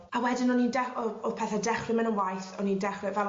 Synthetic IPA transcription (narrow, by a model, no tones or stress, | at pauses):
awɛdɪnɔnindɛɔɔpʰɛːθɛdɛχlɪmɛnənwajθɔnindɛχlɪvɛ